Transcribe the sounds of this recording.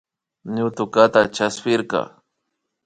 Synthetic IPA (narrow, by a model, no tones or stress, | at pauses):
ɲʊt̪ʊkat̪at͡ʃaspɪɾkɑ̰